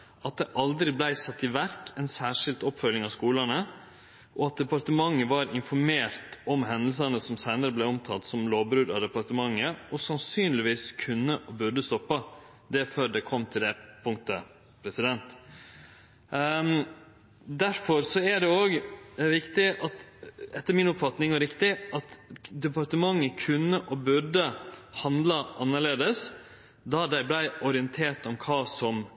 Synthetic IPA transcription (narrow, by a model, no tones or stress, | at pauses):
ɑt̪̚d̪ɛʔɑld̪ɾɪblæɪsɑt̪ːɪʋæɾkʰɛnsæːʂɪlt̪ɔpːfœlːɪŋɑskuːlənə | ʔɔɑt̪̚d̪ɛpɑɾt̪əmɑŋːəʋɑɾɪnfɔɾmeːɾt̪ɔmɦɛnəls̬ənəsɔmsæɪnəɾəblɛɔmt̪ʰɑt̪ːsɔmloːʋbɾʉːd̪ɑd̪ɛpɑɾt̪əmɑŋːəɔsɑnsyːnlɪʋiːskʰʉnːəʔbʉɾɖəst̪ɔpːə | d̪ɛføːɾɖ̪ɛkʰɔmːt̪ʰɪld̪ɛpʰʊŋt̪ə | pʰɾɛsɪd̪ɛnt̪ | d̪æɾfɔɾsɔæɖɛoːɡʋɪkt̪ɪʔɑt̪ɛt̪ːəɾmɪnʊpfɑt̪nɪŋɔɾɪkt̪ɪʔɑt̪d̪ɛpɑɾʈ̪əmɑŋːəkʰʉnːəʔɔbʉɖəhɑnd̪lɑʔɑnːəɭeːd̪əs | d̪ɑd̪æɪblæɪɔɾɪənt̪ʰeːʈ̪ɔmkʰɑːsɔm